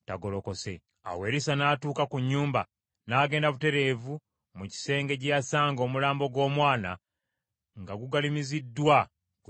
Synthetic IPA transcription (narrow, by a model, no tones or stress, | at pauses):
taɡoloko̞se̞ | a̰we̞ːɾisanaːtuːkakuɲːuːmba | naːɡe̞ːndaβute̞ɾe̞vu | muci̥se̞ːŋɡe̞casaːŋɡo̞ːmulaːmbo̞ɡwo̞ːmwaːna̰ | ŋɡaɡuɡalimizidːwa | k